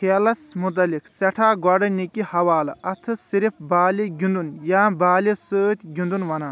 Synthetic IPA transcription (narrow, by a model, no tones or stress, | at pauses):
kʰelɐsmut̪̬ɐliksɛʈʰaːɡwaɖɐnikʲːihɐwaːlɐɐt̪ʰɨsiɾip̚ʰbaːliɡʲund̪unjaːbaːlisəːt̪ʲɡʲund̪unʋɐnaː